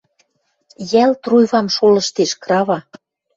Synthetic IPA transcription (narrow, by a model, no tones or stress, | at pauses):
jælt̪rujβɑmʃolɤ̆ʃt̪eʃkrɑβɑ